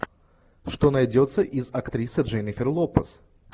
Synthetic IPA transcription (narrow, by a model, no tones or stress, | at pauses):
ʂt̪onɐjdʲot̪sːəʔizɐkt̪ɾʲisɨʐɛnʲɪfʲɪrlˠopəs